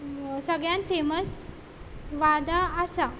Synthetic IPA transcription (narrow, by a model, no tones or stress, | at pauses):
səɡɭjãnt̪feməs | ʋad̪aːsa